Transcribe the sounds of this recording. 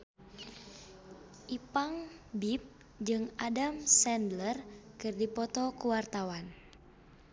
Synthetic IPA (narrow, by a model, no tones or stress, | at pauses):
ʔipaŋbip̚ | d͡ʒɨŋadamsɛndlərkɨrdipɔt̪ɔkuwart̪awan